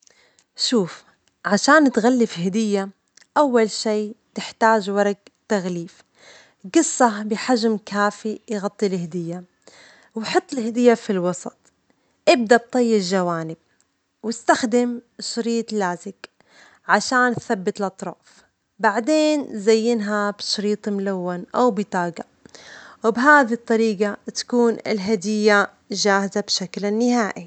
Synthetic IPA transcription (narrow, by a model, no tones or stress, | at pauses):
ʃuːf | ʕaʃaːnt̪ɣalːɪfhad̪ɪjːa | ʔawːalʃiːt̪ɪħt̪aːʒwɑɾˤɑɡ̚t̪aɣliːf | ɡɨsːɑbɪħaʒmkaːfijɣɑt̪ˤːilhad̪ɪjːa | wħʊt̪ˤːɪlhɪd̪ɪjːafilwɑsˤɑ̰t̪ˤ | ʔɪb̚d̪aʔ̚t̪ˤːɑjːɪlʒawaːnɪb̚ | wɪst̪axd̪ɪmʃɑɾiːt̪ˤlaːzɪk | ʕaʃaːnθabːɪt̪ɪlʔɑt̪ˤɾˤɑːf | baʕd̪eːnzajːɪnɦab̥ʃɑɾiːt̪ˤmʊlawːanʔawbɪt̪ɑːɡɑ | wɪbɦaːðit̪ˤːɑɾiːɡat̪ḁkuːnɪ̰lɦad̪ɪjːa | ʒaːhɪzabʃaklnːɪhaːʔi